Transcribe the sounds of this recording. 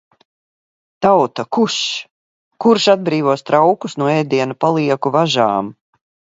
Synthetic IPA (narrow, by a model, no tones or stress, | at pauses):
t̪awt̪akuʃ | kuɾʃad̪̚bɾiːvuɔst̪ɾawkusnuɔɛjd̪iɛnupalˠiɛkuvaʒaːm